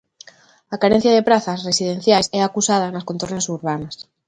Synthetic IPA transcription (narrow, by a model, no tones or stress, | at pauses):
akaɾen̟θjaðepɾaθasresið̞ẽn̟θjajsɛakusað̞anaskont̪o̞ɾnesuɾβanas